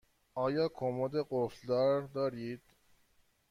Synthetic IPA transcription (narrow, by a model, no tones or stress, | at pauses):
ɒːjɒːkʰomod̪eɢofd̪ɒːɾd̪ɒːɾiːd̪̥